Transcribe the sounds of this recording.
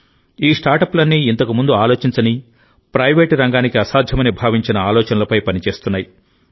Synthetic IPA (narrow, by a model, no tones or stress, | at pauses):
iːsʈaːɾʈɐplɐnːiːnt̪ɐkumund̪uaːloːt͡ʃiɲt͡ʃɐni | pɾɐjʋeːʈɾɐŋɡaːnikiɐsaːd̪ʱjɐmɐnibʱaːʋiɲt͡ʃinɐaːlɔːt͡ʃɐnɐlɐpɐjpɐnit͡ʃe̞ːst̪unːaːji